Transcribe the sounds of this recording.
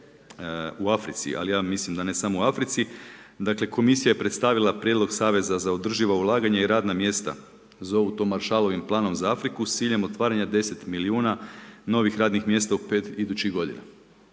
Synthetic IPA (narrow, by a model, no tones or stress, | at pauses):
uafɾit̪sḭʔa̰lijaːmislimd̪ane̞samouafɾit̪sid̪akle̞ko̞misijaje̞pɾet̪st̪aʋilˠapɾje̞d̪lo̞ɡsaːʋe̞zazao̞d̪r̩ʒiʋaulˠaːɡaɲaiɾaːd̪namje̞ːst̪a̰ | zout̪o̞maɾʃaːlˠo̞ʋimplˠaːno̞mzaafɾikust̪iːʎemo̞t̪ʋaːɾaɲad̪e̞se̞t̪miliuːnano̞ʋixɾaːd̪nixmje̞ːst̪aupeːt̪id̪ut͡ɕiɣɡo̞d̪ḭna̰